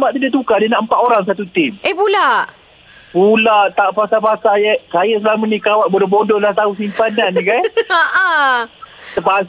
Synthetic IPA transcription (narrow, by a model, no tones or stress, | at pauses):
maʔt̪idat̪ukadinaʔəmpat̪oɾaŋs̬at̪ut̪ɪmʔepulaʔ | pulaʔt̪apasapasajɛʔkajəsəlamanikawaʔ̪̚bodɔbodɔlaht̪ausimpanankanaʔa | əpa